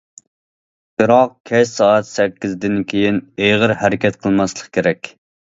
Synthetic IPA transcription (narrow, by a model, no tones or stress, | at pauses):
b̥ɨɾɑq̚kʲʰɛʃsɑːɛt̪sɛkʲːizd̪ɪnkʲʰejinejʁəɾhæɾɪkʲʰɛt̪qʰəlˠmɑslˠəqkʲʰeɾɛkʲ